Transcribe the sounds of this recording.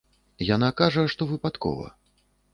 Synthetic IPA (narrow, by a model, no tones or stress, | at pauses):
janakaʐɐjɛʂt̪ɔvɨpat̪kɔ̰vɐ̰